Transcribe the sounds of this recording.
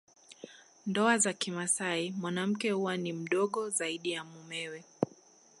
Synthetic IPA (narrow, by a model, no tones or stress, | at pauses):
ndɔazakimasaimwanam̩kɛhuwanim̩ɗɔɠɔzaiɗijamumɛwɛ